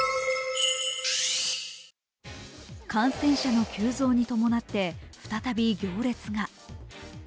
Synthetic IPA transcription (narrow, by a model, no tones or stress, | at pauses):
kãɰ̃sẽ̞ɰ̃ɕano̞kʲɨːzo̞ːɲ̟it̪o̞mo̞nat̪ːe̞ɸɯ̟̥t̪at̪abʲiɡʲo̞ːɾe̞t͡sɨɡa